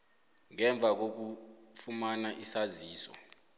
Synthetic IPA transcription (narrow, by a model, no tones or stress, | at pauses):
ŋɛɱb̪vʱak̬ok̬u | fumanaʔisaziːsɔ̰